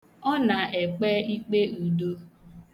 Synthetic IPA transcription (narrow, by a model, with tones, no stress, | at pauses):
ɔ˦na˨e˨k͡pe˦i˦k͡pe˦u˨do˦